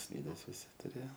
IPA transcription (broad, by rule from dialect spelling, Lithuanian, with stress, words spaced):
ˈsʲlʲiːdʲɛs ʋʲɪˈsʲɪ tʊˈrʲeːjoː